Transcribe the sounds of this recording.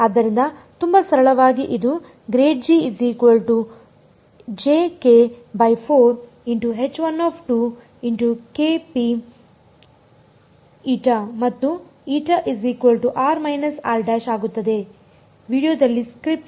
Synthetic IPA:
aːd̪ːɐɾind̪ɐt̪umbɐsɐɾɐɭɐʋaːɡiʔid̪u | ɡɾeːʈ̚d͡ʒiiziːkʋɐlʈu | d͡ʒeːkebɐjpʰoːɾ | iɳʈuɦet͡ʃʋɐnːɔːpʰʈu | iɳʈukepi | iːʈɐmɐt̪ːuiːʈɐʔiziːkuʋɐlʈuʔaːɾmɐjnɐsaːlɖæːʃaːɡut̪ːɐd̪e̞ | ʋiːɖijoːd̪ɐlːiskɾip̚ʈ

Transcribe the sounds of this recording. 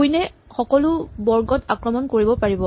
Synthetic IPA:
ujnɛxɔkɔlʊbɔɹɡɔtakɹɔmɔnkoɹibɔpaɹibɔ

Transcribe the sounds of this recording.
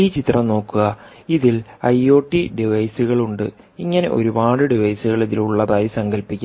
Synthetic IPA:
iːt͡ɕit̪rɐmno̞ːkːuɣɐ | iðilɐjo̞ːʈːiɖiʋɐjsuɣɐɭuɳɖɨ | iŋːɐne̞̰ʔo̞̰ɾubaːɽɨɖiʋɐjsuɣɐɭeðiluɭːɐðaːjisɐŋɡɐlpːikʲːu

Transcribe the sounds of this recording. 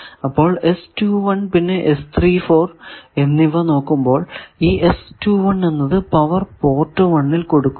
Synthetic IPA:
ɐpːo̞ːɭe̞stuːʋɐɳpinːe̞ʔest̪ʰriːfo̞ːre̞nːiʋɐno̞ːkːumbo̞ːɭiːʔestuːʋɐɳːe̞nːɐðɨpɐʋɐrpo̞ːrʈːɨʋɐɳːilko̞ɽukː

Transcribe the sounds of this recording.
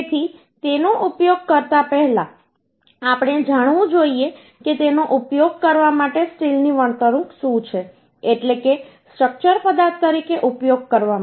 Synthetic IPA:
t̪ʰi | t̪enoʔupjoɡ̚kəɾt̪apɛɦlã | apɽ̃ed͡ʒaɽʋũd͡ʒoie | ket̪enoʔupjoɡ̚kəɾʋamaʈesʈilniʋəɳt̪əɾũksũt͡ʃʰe | eʈleke | sʈɾək̚t͡ʃəɾpəd̪at̪ːəɾikeʔupjoɡ̚kəɾʋama

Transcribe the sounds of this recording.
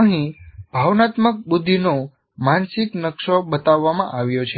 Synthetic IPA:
ə̃ɦĩb̥ʱaʋnat̪mək̚bud̪ʱːino | mansɪknəkʃoɓət̪aʋːamãʔaʋjot͡ʃʰe

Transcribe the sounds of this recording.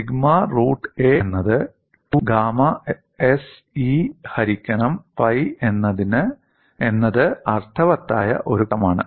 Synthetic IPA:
iɡmɐruːʈːeːnːɐðɨ | ʈuɡaːmɐ | es | ihɐɾikʲːɐnɐmpɐjenːɐðinɨ | enːɐðɨɐrt̪ʰɐʋɐt̪ːa̰ːjɐ̰ʔo̞ɾuɐmaːɳɨ̰

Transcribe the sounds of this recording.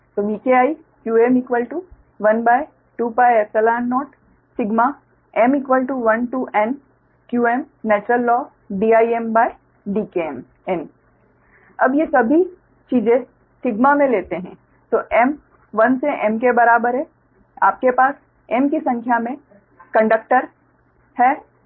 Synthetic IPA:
t̪oːʋiːkeaːi | kjuːɛːmɪkʋəlʈu | ʋɐnbaːi | ʈuːpaːjɛsɛlaːnːɔːʈ | sɪɡma | ɛmɪkʋəlʈuʋɐnʈuʔɛn | kjuːeːm | nɛːt͡ʃɾəlːɔː | ɖiːaːiembaːi | ɖiːkem | ɛn | ɐbjesɐbʱi | t͡ʃiːzẽ | sɪɡmamẽleːt̪eɦɛ̰̃ː | t̪oːʔɛm | ʋɐnseʔɛmkebɐɾaːbəɾɦɛ | a̰ːp̚kepaːs | ɛmkisɐ̃ŋkʰjamẽ | kɐ̃ɳɖək̚ʈəɾ | hɛː

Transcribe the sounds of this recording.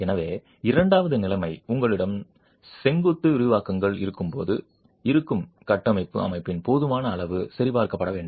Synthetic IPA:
ɛnɐʋeː | ɪɾɐɳɖaːʋɐðɯnɪlɐmɐɪʊŋɡɐɭɪɽɐm | sɛŋɡɯt̪ːɯɪɾɯʋaːkɐŋɡɐɭɪ̰ɾɯkːɯmpo̰ːðɯ | ɪɾɯkːɯm | kɐʈːɐmɐɪpːɯ̰ɐ̰mɐɪpːɪnpoːðɯmaːnɐːɭɐʋɯsɐɾɪpaːɾkɐpːɐɽɐʋeːɳɖɯ

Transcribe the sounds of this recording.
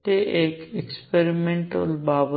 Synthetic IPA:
t̪eʔeːkekspeɾimẽɳʈəlbaːʋə

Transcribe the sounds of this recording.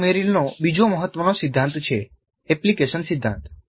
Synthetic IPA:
meɾilnobid͡ʒoməɦət̪ʋənosid̪ʱːãnt̪t͡ʃʰe | ɛplikeʃənsid̪ʱːã̰nt̪

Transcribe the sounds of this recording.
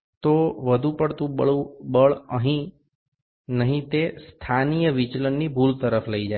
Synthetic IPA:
t̪oʋəd̪ʱũpəɽt̪ũəɭubəɭəɦĩ | nəɦĩt̪est̪ʰanijəʋit͡ʃlənːibʱult̪əɾəfʰləid͡ʒa

